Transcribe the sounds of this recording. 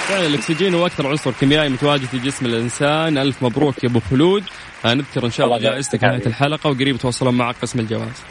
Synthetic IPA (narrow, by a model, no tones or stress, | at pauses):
fɪʕnɪlːɪksɪd͡ʒiːnhuːʔakθɑɾˤʕʊsˤʊɾkɪmjaːʔimʊt̪awaːd͡ʒɪd̪ɪd͡ʒɪsmɪlʔɪnsaːnʔalfmabɾuːkjabʊxʊluːd̪ | hanɪðkɑɾˤʔɪnʃɑːˤd͡ʒaːʔɪzt̪akɪmaːaɪlħalɑqɑwɡaɾiːbt̪wɑsˤːɑlʊmːaʕaqːɪsmɪld͡ʒawa̰ːz̥